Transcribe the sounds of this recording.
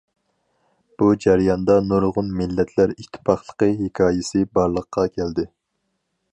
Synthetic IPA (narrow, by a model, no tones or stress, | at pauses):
b̥ud͡ʒæɾjɑnd̪ɑnoɾʁʊnmɪlːɛt̪ʰlæɾit̪ʰːɪ̥pʰɑχlˠə̥qəɦekʲʰɑːjɪsɪbɑɾlˠəqʰːɑkʲʰæld̪ɪ